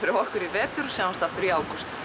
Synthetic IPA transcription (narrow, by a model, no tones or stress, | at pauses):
fɪɾɪɾɔhkʏɾivɛːt̪ʏɾ̥sawanst̪aft̪ʏɾiaːwkʏst̪